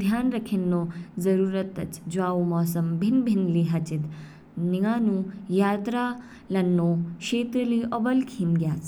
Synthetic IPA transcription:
d̪ʱjaːnɾɐkʰinːoːzɐɾuːɾɐt̪ːɐ̰t͡ʃd͡ʒʋaːumɔːsɐmbʱinbʱinliɦɐt͡ʃit̪ | niɡaːnũːjaːt̪ɾaː | lɐnːoːʃeːt̪ɾɐliːʔɔbɐlkʰiːmɡjaːs

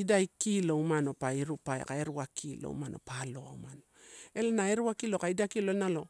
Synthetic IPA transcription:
idajkilowmano̞paiɾupaḛka̰eɾuakʰilo̰ṵmano̞̰palo̞awmanoe̞lanaeɾuakilo̞kaidakilo̞nalo̞

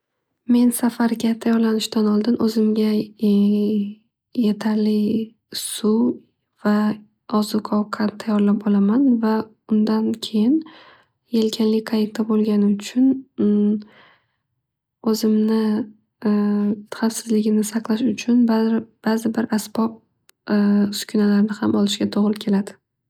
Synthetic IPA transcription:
me̞nsafaɾɡʲat̪ʰajɒɾlanɪʃt̪anɒlˠd̪ɪnʔɵzɪmɡʲa | je̞t̪ʰaɾlɪ | sʊ | v̥a | ɒzʊqʰɒwqʰɑt̪ʰajɒɾlap̚ɒlamanva | ʊnd̪ankʲʰe̞jɪn | jelkʲʰanlɪkʰajek̚t̪ʰabolˠɡʲanɪʊt͡ʃʰʊn | ɵzɪmnɪ | χafsɪzlɪɡʲɪmnɪsɑqlˠaʃʊt͡ʃʰʊnb̥azɪbɪɾasbɒp̚ | sʊ̥kʲʰʊnalaɾnɪhamʔɒlˠɪʃɡʲat̪ʰoʁɾɪkʲʰe̞lad̪ɪ̥

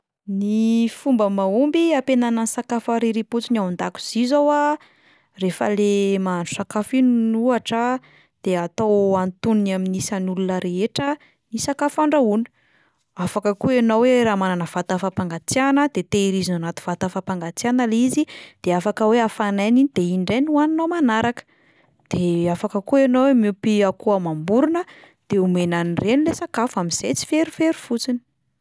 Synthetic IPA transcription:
nifumbəmaumbiapenanansakafaɾiɾiput͡sinawnd̪aku̥z̥izowa | refə̰lemaanɳɖ͡ʐu̥sakafinnuaʈ͡ʂə | d̪̥eat̪awant̪unnaminisanulunəɾeeʈ͡ʂə | nisakafaɳɖ͡ʐauni̥ | afakəkuenoweɾaːmananəv̥at̪afapaŋɡat͡sjanəd̪̥et̪eiɾizinanat̪u̥v̥at̪afapaŋɡat͡sjanəlizid̪̥eafakəweafananinid̪̥eiɳɖ͡ʐenwaninomanaɾakə̥ | d̪̥eafakəkuenowemupiakuamambuɾunə | d̪̥eumenanirenilesakafuamiz̥ejt͡si̥feɾufeɾufut͡sini̥

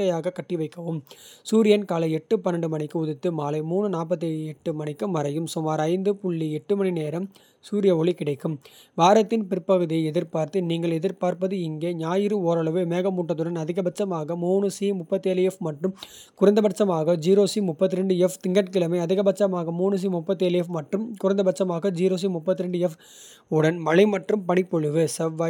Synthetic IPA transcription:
ɐjaːɣɐkɐʈːɪʋɐɪkːɐʋɯmsuːɾɪjɐnkaːlɐɪɛʈːɯpɐnːɐɳɖɯmɐɳɪkːɯʊðɪt̪ːɯmaːlɐɪmuːɳɯnaːp̬ːɐt̪ːɯɛʈːɯmɐɳɪkːɯmɐɾɐjɯmsʊmaːɾɐɪnd̪ɯpʊɭːiɛʈːɯmɐɳineːɾɐm | suːɾɪjɐɔɭikɪɽɐɪkːɯmʋaːɾɐt̪ːɪnpɪɾpːɐɣɯðijɐɛðɪɾpaːɾt̪ɯniːŋɡɐɭɛðɪɾpaːɾpɐðɯɪŋɡeːɲaːjɪɾɯoːɾɐɭɐʋɯmeːɣɐmuːʈːɐt̪ːɯɽɐnɐðɪɣɐbɐt͡ʃːɐmaːɣɐmuːɳɯsimʊpːɐt̪ːeːlɐɛfmɐʈrɯm | kʊɾɐnd̪ɐbɐʈt͡ʃːɐmaːɣɐd͡ʒiːɾoːsimʊpːɐt̪ːɯɾɛɳɖɯɛft̪ɪŋɡɐʈ̚kɪɭɐmɐɪɐðɪɣɐbɐt͡ʃːɐmaːɣɐmuːɳɯs̬imʊpːɐt̪ːeːlɐɛfmɐʈrɯmkʊɾɐnd̪ɐbɐt͡ʃːɐmaːɣɐd͡ʒiːɾoːs̬imʊpːɐt̪ːɯɾɛɳɖɯɛf | ʊɽɐnmɐlɐɪmɐʈrɯmpɐɳɪpːɔɻɯʋɯsɐʋːaː

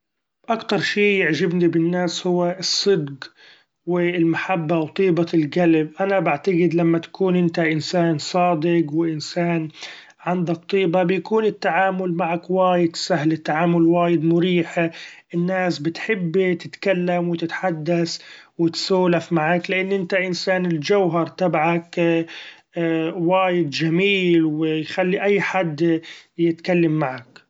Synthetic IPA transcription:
ʔakt̪ɑɾˤʃiːjɪʕʒɪbnibɪnːaːshʊwːaɨsˤːɨd̪q | wɪlmaħabːawt̪ˤiːbaɪlɡalbʔanabaʕt̪aɡɪd̪lamːat̪ḁkuːnʔɪnt̪aʔɪnsaːnsˤɑːd̪ɪqwɪʔɪnsaːn | ʕand̪ak̚t̪ˤiːbabjakuːnɪt̪ːaʕaːmʊlmaʕakwaːjɪt̪sahlɪt̪ːaʕaːmʊlwaːjɪd̪mʊɾiːħaʔɪnːaːsbɪt̪ħɪbːt̪ɪt̪kalːamwɪt̪ɪt̪ħad̪ːaswɪt̪suːlafmaʕaklɪʔanːʔɪnt̪aʔɪnsaːnɪld͡ʒawɦɑɾˤt̪abaʕak | waːjɪd̪d͡ʒamiːlwɪjxalːiʔajːħad̪jɪt̪kalːamːaʕak

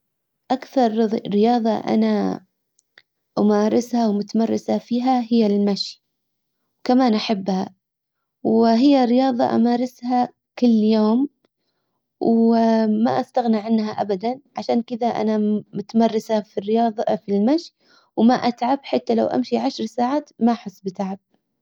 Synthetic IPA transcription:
ʔakθɑɾˤɾɪjɑːðˤɑʔa̰na | ʔamaːɾˤɪshawmʊt̪amɑrˤːɪsafiːɦaɦɪjːalmaʃ | wkamaːnʔaħabːha | wɦɪjːaɾːɪjɑːðˤɑ̰ʔa̰maːɾˤɪsha | kɪlːjoːm | wma̰ʔast̪aɣniʕɪnːɦaʔabad̪anʕaʃaːnkɪðaʔa̰namʊt̪amɑrˤːɪsafirːɪjɑːðˤɑfilmaʃ | wmaʔat̪ʕabħat̪ːalawʔa̰mʃiʕaʃɾˤsaːʕaːt̪maʔaħʊsˤːbɪt̪aʕab̥̚

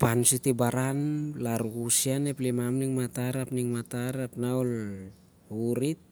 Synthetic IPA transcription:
pansitibaɾanlaɾukusianeplemamniŋmataɾapniŋmataɾapnaol | uɾit̚

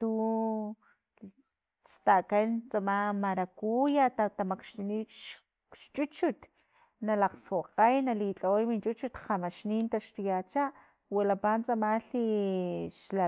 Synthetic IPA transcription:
t̪u | t͡st̪akant͡samamaɾakujat̪at̪amakʃt̪uniʃ | ʃt͡ʃʼut͡ʃut̪ | nalaqsoqajnalit͡ɬʼoojmint͡ʃʼut͡ʃut̪qamaʃniːnt̪aʃt̪ujat͡ʃaʔ | walapant͡sʼamaɬiʃla

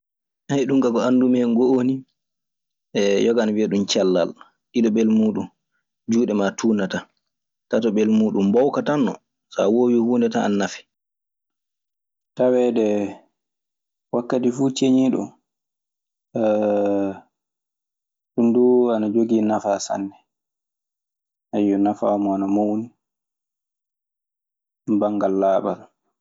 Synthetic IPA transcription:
hajɗumkakɔandumɛŋɡooni | ɛjɔɡaanawiaɗumt͡ʃɛlːa̰l | ɗiɗɔbɛlmuːɗun | d͡ʒuːɗɛmatʰuːnata | tatɔbɛlmuːɗumbɔwkatanːɔ̰ | sa̰wowihundɛtaa̰nːafɛ̥ | tawɛːɗɛ | wakːatifut͡ʃeɲiːɗɔ̰m | ɗunduanad͡ʒoɡinafasa̰ndɛ | hajːɔnafa̰ːmɔanamowni | baŋɡalːaːɓal

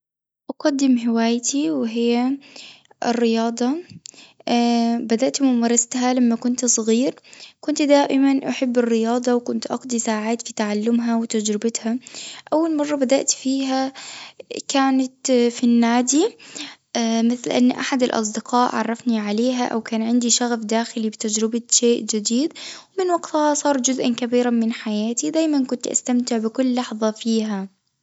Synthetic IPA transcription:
ʔɑqɑd̪ːɪmɦɪwaːjt̪iwɪɦɪjːa | ɪrːɪjɑːd̪ˤɑ | bad̪aʔt̪mʊmɑːɾˤɑst̪ɦalamːakʊnt̪sˤɣiːɾkʊnt̪d̪aːʔɪmanʔaħɪbːɪrːɪjɑːd̪ˤɑwkʊnt̪ʔɑqd̪ˤisaːʕaːt̪fit̪aʕalːʊmɦawɪt̪ad͡ʒɾɪbɪt̪haʔawːalmɑrˤːɑbad̪aʔt̪fiːɦa | kaːnat̪finːaːd̪i | mɪθlʔa̰nːʔaħad̪alʔɑ̰s̬ˤd̪ɪqɑːʔʕɑ̰rˤːɑfniʕaleːɦaʔa̰wkaːnʕɪnd̪iʃaɣfd̪aːxɪlibɪt̪ad͡ʒɾɪbaʃeːʔd͡ʒɪd̪iːd̪wmɪnwaɡt̪hɑsˤɑːɾˤd͡ʒʊzʔankabiːɾamɪnħajaːt̪id̪aːjmankʊnt̪ʔa̰st̪amt̪ɪʕbɪkʊlːɑħðˤɑfiːɦa

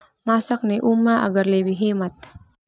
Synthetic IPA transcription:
masak̚neʔumːaʔa̰ɡarlɛwiɦɛmat̪̚

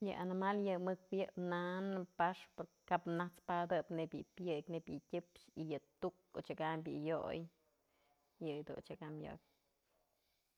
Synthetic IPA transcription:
jɨʔanimaljɨmɨkwjɨʔpnanɨpaʂpoɾ | kapnat͡spad̪ɨpnebʲjɨ̰pʲjɨknebʲjɨtʲɨpʃijɨt̪uko̰t͡ʃakambʲjɨ̰jo̰j | jɨjd̪ṵnt͡ʃakamjo̰k̚

